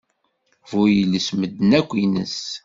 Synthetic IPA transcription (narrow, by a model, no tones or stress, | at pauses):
vujələsməd̪nækʷːinə̰s